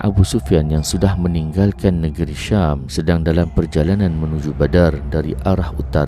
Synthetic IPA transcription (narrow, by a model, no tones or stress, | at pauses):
ʔa̰busufianjaŋsudahmə̃niŋɡalkanːəɡəɾiʃamsədaŋdalampərd͡ʒalanãnmənud͡ʒubadardaɾḭʔaɾahut̪aɾa